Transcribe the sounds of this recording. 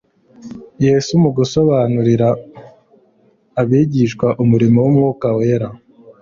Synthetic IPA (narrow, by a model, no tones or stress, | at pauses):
jeːsumuɡuso̞βaːnuɾiɾa | βiːɟiʃkwaʔumuɾimowumŋuːkaweɾa